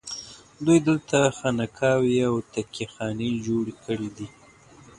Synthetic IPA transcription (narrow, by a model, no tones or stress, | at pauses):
d̪ujd̪əlt̪axanakʰɑwiawt̪akʰixɑned͡ʒoɽekəɽid̪i